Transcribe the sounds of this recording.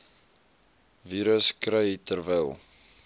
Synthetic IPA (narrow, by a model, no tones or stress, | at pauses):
viːɾəskrəjitərvəlˠ